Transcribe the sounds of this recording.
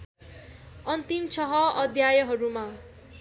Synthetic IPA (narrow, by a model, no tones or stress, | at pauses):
ʌnt̪imt͡sʰʌɦʌʌd̪ʱjajʌɦʌɾuma